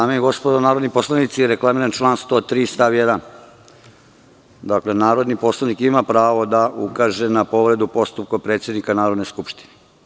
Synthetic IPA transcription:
d̪aːmeeɡo̞spod̪onaːɾod̪nipo̞slˠanit̪sijeɾe̞klˠamiɾant͡ʃlˠaːnst̪ot̪ɾiːst̪aʋjed̪an | d̪akle̞naːɾo̞d̪nipo̞slˠanikimapɾaːʋo̞d̪aukaʒenapo̞ʋɾe̞d̪upo̞st̪up̚kopɾet̪sje̞d̪nikanaːɾo̞d̪neskupʃt̪i̥ne

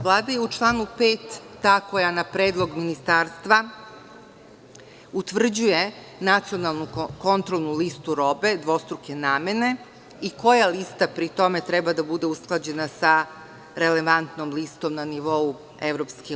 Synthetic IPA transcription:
ʋlˠaːd̪ajɛut͡ʃlˠaːnupeːt̪ː | aːko̞janapɾeːd̪lˠo̞ɡminist̪aːɾst̪ʋa | ut̪ʋr̩d͡ʑuje̞ | nat̪sio̞nalˠnuko̞nt̪ɾolˠnulist̪uɾo̞be̞d̪ʋo̞st̪ɾuke̞naːme̞ne̞ | iko̞jalist̪apɾit̪o̞me̞t̪ɾɛbad̪abud̪e̞usklˠad͡ʑe̞nasa | ɾeleʋant̪nomlist̪o̞mnaniʋo̞u | eʋɾopski

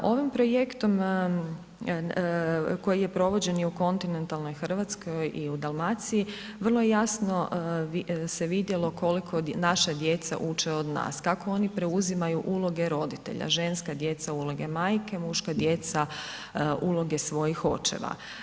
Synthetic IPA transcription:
ʔo̞ʋimpɾo̞je̞kt̪o̞m | ko̞jije̞pɾo̞ʋo̞d͡ʑe̞njiuko̞nt̪ine̞nt̪alˠno̞jxr̩ʋat̪skʰo̞jʔiud̪alˠmat̪siji | ʋər̩lˠojejasno̞ise̞ʋid̪jelo̞kʰo̞likʰo̞naʃad̪jet̪sa̰ʔut͡ʃeo̞d̪na̰ːskako̞o̞nipɾe̞uzimajuʔulˠo̞ɡe̞ɾo̞d̪it̪e̞̰ʎa̰ʒe̞nskad̪je̞t̪saulˠo̞ɡe̞maːjkemuʃkad̪je̞t̪sa | ʔulˠo̞ɡe̞sʋo̞jixo̞̰t͡ʃḛʋa̰

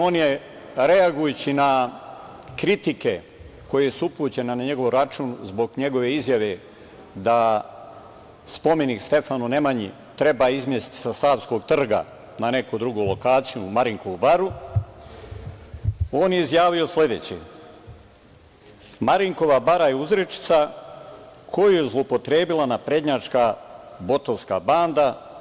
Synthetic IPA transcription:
o̞ːnje | ɾe̞aɡujut͡ɕina | kɾit̪ike̞ | ko̞jesuupuːt͡ɕe̞nanaɲe̞ɡo̞ʋɾat͡ʃuːnzbo̞ɡɲe̞ɡo̞ʋe̞izjaʋe̞ | d̪a | spo̞me̞nikst̪e̞fanune̞maɲḭ | t̪ɾe̞baːizmjesi̥t̪i̥sasaːʋsko̞ɡ̚t̪r̩ɡa̰ | nane̞kod̪ɾuɡoːlˠo̞kaːt̪sijumaɾiŋko̞ʋubaɾu | o̞ːnjeizjaːʋio̞sle̞d̪e̞ːt͡ɕḛ | maɾiŋko̞ʋabaɾajeuzɾet͡ʃi̥t̪sa | kʰo̞jujezlˠopo̞t̪ɾe̞ːbilanapɾe̞d̪ɲat͡ʃkabo̞t̪o̞nska̰baːnd̪a

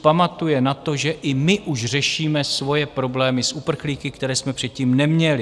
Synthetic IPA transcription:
pamat̪ujɛnat̪o̞ʒɛʔɪmɪʔuʃr̝ɛʃiːmɛsvo̞jɛpɾo̞blɛːmɪsʔupr̩xliːkɪkt̪ɛɾɛːsmɛpr̥ɛt̪̚ciːmnɛmɲɛlɪ

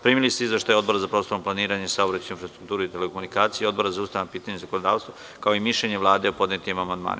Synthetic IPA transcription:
pɾiːmilist̪eizʋe̞ʃt̪ajod̪bo̞ɾazapɾo̞ːst̪o̞ɾomplˠaniːɾaɲesaobɾauinfɾast̪ɾu̥kt̪uːɾuit̪elekomunikaːt̪sijeo̞d̪̚bo̞ɾazausaʋnapiːt̪aɲezakonod̪aːʋst̪ʋa | kaoimiʃʎeɲe̞ʋlˠaːd̪eopo̞d̪net̪imamand̪ma̰ːnia

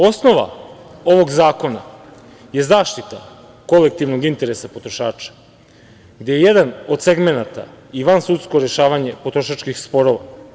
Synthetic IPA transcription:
o̞sno̞ʋa̰ | o̞ʋo̞ɡzaːko̞na̰ | je̞zaːʃt̪it̪a | ko̞le̞k̚t̪iʋnoɡint̪e̞ɾesapo̞t̪ɾoʃaːt͡ʃḁ | ɡd̪ejejed̪ano̞d̪se̞ɡme̞nat̪a̰ | iʋansut̪sko̞ɾeʃaːʋaɲe̞po̞t̪ɾoʃat͡ʃkixspo̞ɾo̞ʋa

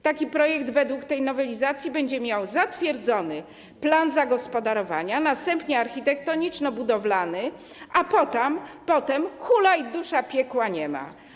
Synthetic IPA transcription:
t̪akʲipɾɔjɛkd̪vɛd̪wukt̪ɛjnɔvɛlʲizat̪sʲjibɛɲd͡ʑɛmʲjawzat̪fʲjɛɾd̪zɔnɘ | planzaɡɔspɔd̪aɾɔvaɲanast̪ɛmpɲɛaɾxʲit̪ɛk̚t̪ɔɲit͡ʂnɔbud̪ɔvlanɘ | apɔt̪ampɔt̪ɛmxulajd̪uʂapʲjɛkwaɲɛma̰

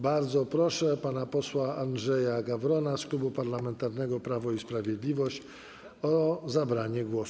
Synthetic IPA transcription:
baɾd̪zɔpɾɔʂɛpanapɔswaʔanʐɛjaɡavɾɔnasklubupaɾlamɛnt̪aɾnɛɡɔpɾavɔispɾavʲjɛd̪lʲivɔɕt͡ɕ | ɔzabɾaɲɛɡwɔs

